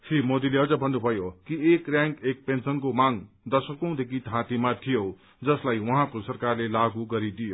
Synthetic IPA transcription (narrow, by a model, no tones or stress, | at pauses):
fʰimod̪ileʌd͡zʌbʱʌnːubʱʌjokiekrjaŋkek̚pensʌnkomaŋ | d̪ʌsʌkõw̃d̪ekʰit̪ãt̪imat̪ʰijo | d͡zʌslajwʌɦãkosʌrkarlelaɡuɡʌɾid̪ijo